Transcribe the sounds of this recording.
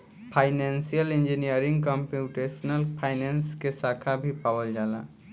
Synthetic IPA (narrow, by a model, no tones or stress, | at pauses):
pʰaːɪnensijəlẽnd͡ʒinijəɾɪ̃ŋɡkɔ̃mpjuːʈeːʃnəlpʰaːɪnẽːnskesaːkʰabʱipaːwəld͡ʒaːla̰